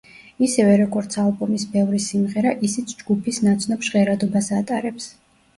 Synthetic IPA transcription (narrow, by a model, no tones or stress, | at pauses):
isɛvɛɾɔɡɔɾt̪sʰalˠbumisbɛvɾisimʁɛɾaʔisit̪sʰd͡ʒɡupʰisnat̪sʰnɔpʃʁɛɾad̪ɔbasat̪ʼaɾɛps